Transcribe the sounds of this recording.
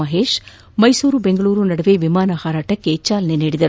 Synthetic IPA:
ɐɦeːʃ | mɐjsuːɾubeŋɡɐɭuːɾunɐɽɐʋeʋimaːnɐhaːɾaːʈɐkːet͡ʃaːlɐneneːɽid̪ɐɾ

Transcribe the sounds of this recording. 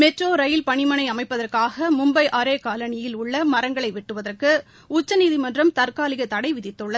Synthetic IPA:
mɛʈroːɾɐjɪlpɐɳɪmɐnɐɪɐmɐɪpːɐðɐrkaːɣɐmʊmbɐɪʔɐɾeːkaːlɐnɪjɪlʊɭːɐmɐɾɐŋɡɐɭɐɪʋɪʈːɯʋɐðɐrkɯ | ʊt͡ʃːɐniːðimɐndrɐmt̪ɐɾkaːlɪɣɐt̪ɐɽɐɪʋɪðɪt̪ːɯɭːɐð

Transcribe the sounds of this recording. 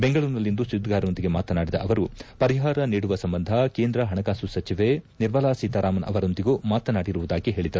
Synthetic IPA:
beŋɡɐɭuɾnɐlːind̪usud̪ɡaːɾɐond̪iɡe̞maːt̪ɐnaːɽid̪ɐʔɐʋɐɾupɐɾiɦaːɾɐniːɽuʋɐsɐmbɐnd̪ʱɐkeːnd̪ɾɐɦɐɳɐkaːsusɐt͡ʃiʋeniɾʋɐlaːsiːt̪ɐɾaːmɐnʔɐ̰ʋɐɾo̞nd̪iɡuːmaːt̪ɐnaːɽiɾuʋud̪aːɡiɦe̞ːɭid̪ːɐɾu

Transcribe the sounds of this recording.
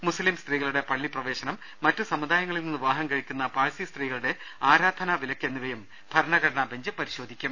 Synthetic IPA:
muslimst̪riːɣɐɭuɽe̞pɐɭːiprɐʋe̞ːɕɐnɐmːɐtːɨsɐmud̪aːjɐŋːɐɭilninːɨʋaːɦɐŋkɐɻikʲːunːɐpaːɻsist̪riːɣɐɭuɽe̞ | aːɾaːd̪ʱɐnaʋilɐkʲːenːiʋɐjum | bʱɐɾɐɳɐɡɐɾɐɳaːbeɲd͡ʑɨpɐɾiɕo̞ːd̪ʱikʲːum

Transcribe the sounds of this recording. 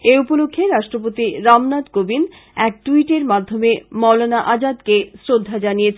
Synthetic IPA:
eupolokʰːeɾaʃʈɾop̬ot̪iɾamnad̪kobin | ɛk̚ʈuiʈeɾmad̪ʱːomemɔlonaʔad͡ʑad̪kesɾod̪ʱːad͡ʑanijet͡ɕʰ

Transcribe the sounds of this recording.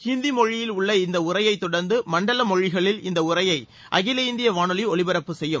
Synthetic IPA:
hind̪imɔɻɪjɪlʊɭːɐɪnd̪ɐʊrɐjɐɪt̪ːɔɽɐɾnd̪ɯmɐɳɖɐlɐmɔɻɪɣɐɭɪlɪnd̪ɐʊrɐjɐɪ | ʔɐ̰ɣɪlɐɪnd̪ɪjɐʋaːɳɯliɔɭɪbɐɾɐpːɯsɛjːɯm

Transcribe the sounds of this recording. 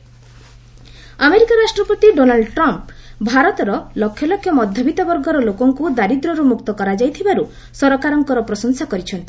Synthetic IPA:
ameɾikaɾasʈɾɔpɔt̪iɖonalɖʈɾɔmpbʱaɾɔt̪ɔɾɔlɔkʰjɔlɔkʰjɔmɔd̪ʱjɔbʱit̪ɔbɔɾɡɔɾɔlokɔŋkud̪aɾid̪ɾɔɾumukt̪ɔkɔɾad͡ʒajt̪ʰibaɾu | sɔɾɔkaɾɔŋkɔɾɔpɾɔsɔŋsakɔɾit͡ʃʰɔnt̪i

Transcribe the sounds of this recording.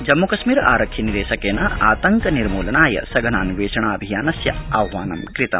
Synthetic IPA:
d͡ʒɐmːukɐʃmiːɾa̰ːɾɐkʰjiniɾeːsɐkeːnɐaːt̪ɐŋkɐniɾmuːlɐnaːjɐ̰sɐɡʱɐnaːnʋeːʃɐɳaːɐbʱijaːnɐsjɐ̰ɐbʱʋaːnɐmkɾit̪ɐ̰m

